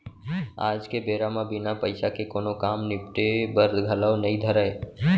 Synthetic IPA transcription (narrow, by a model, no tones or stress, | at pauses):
a̰ːd͡ʒkebeːɾamãbɪnapəɪsakekoːnokaːmnɪpʈebəɾd̪ɡʱələːnəĩd̪ʱəɾəe